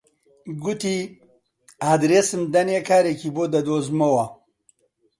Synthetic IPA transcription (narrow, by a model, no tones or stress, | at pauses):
ɡut̪i | aːd̪ɾesɨmd̪ɐnekaːɾekibod̪ɐd̪oːzmɐwɐ